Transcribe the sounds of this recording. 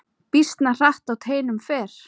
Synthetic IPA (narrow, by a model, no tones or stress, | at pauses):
pist̪nar̥aht̪awt̪ʰeːjnʏmfɛːɾ̥